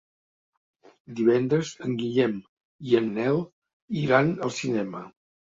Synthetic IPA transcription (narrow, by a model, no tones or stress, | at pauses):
d̪iβɛnd̪ɾəzəŋɡiʎɛm | iənːɛlˠ | iɾanəlˠsinɛmə